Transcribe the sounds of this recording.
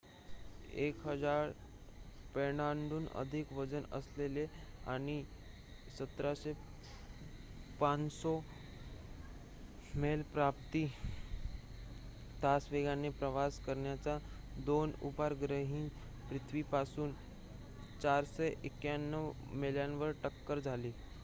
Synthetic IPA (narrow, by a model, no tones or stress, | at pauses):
ekɦəd͡zaɾ | peɽaɳɖuːnə̰d̪ʱikʋəd͡zənə̰slelea̰ɽ̃i | sət̪ɾaɕe | pansɔ | melpɾapt̪iː | t̪asʋeɡanepɾəʋaskəɾɳjat͡sa | d̪onṵbaɾɡɾəɦĩːn | pɾit̪ʰʋipasuːn | t͡ɕaɾseʔekjanːəʋ | meljanʋəɾʈəkːəɾd͡zʱaliː